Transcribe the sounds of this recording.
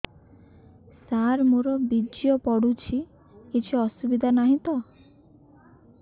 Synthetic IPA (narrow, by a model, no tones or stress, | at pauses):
saɾmoɾɔbid͡ʒjɔpɔɽut͡ʃʰi | kit͡ʃʰuɔsubid̪ʱanaɦĩt̪ɔ